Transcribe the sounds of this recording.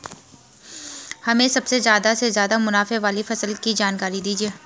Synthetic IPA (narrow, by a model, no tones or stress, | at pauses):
hɐmẽsɐbsezjaːd̪asezjaːd̪amʊnaːfeʋaːlifɐsəlkid͡ʒaːnkaːɾid̪iːd͡ʒieː